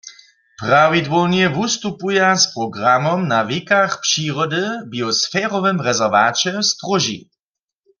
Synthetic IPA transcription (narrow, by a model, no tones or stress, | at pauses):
pʁawidvɔwnjɛvust̪upujaspʁɔɡʁamɔmnavikaxpʃiːʁɔdɨbiɔsfɛːʁɔvɛmʁɛzɛʁvaːt͡ʃɛst̪ʁɔʒḭ